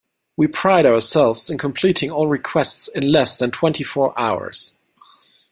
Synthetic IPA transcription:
wipʰɹ̥aɪɾaʊə˞sɛlˠvz̥ɨ̃nkʰə̃mpʰl̥iɾɪ̃ŋɔlˠɹɨkʰw̥ɛstsɨ̃nlɛsðɨ̃ntʰw̥ɛ̃ntʰifɔɹʔaʊə̰˞z̥

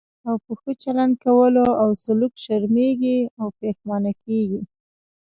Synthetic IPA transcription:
awpəxət͡ʃaland̪̚kawəloawsʊlukʃaɾmeɡiawpexmɑnakeɡi

